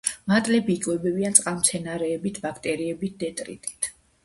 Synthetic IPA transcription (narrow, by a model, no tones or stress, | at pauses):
mat̪ʼlɛbiikʼwɛbɛbiant̪sʼqʼamt̪sʰɛnaɾɛːbit̪ʰbakʰt̪ʼɛɾiɛbit̪̚ʰd̪ɛt̪ʼɾḭt̪ʼi̥t̪ʰ